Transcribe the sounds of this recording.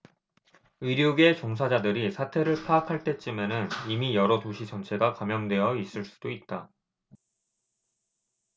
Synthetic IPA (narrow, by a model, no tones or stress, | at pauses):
ɯɾjoɡe̞t͡ɕoŋs̬ʰad͡ʑadɯɾisʰatʰe̞ɾɯɭpʰakʰaɭt͈e̞t͡ɕ͈imenɯnimijʌɾʌtoɕʰit͡ɕʌnt͡ɕʰe̞ɡakamjʌndwe̞jʌis͈ɯɭs͈u̥d̥oit̚t͈a